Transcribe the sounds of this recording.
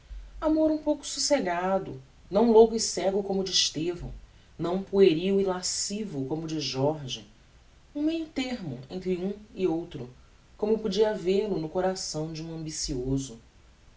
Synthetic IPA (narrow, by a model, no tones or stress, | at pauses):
amoɾũpowkʊ̥suseɡad̪ʊ̰ | nɐ̃w̃lokʊɪsɛɡʊkõmʊd͡ʒɪːʃt̪evɐ̰̃w̃ | nɐ̃w̃poeɾiwilasivʊkõmʊd͡ʒɪʒɔɾʒḭ | ũmejʊt̪eɾmʊẽnt̪ɾɪũɪowt̪ɾʊ | kõmʊpud͡ʒiaveɾlʊnʊkoɾasɐ̃w̃d͡ʒɪũɐ̃mbisiozʊ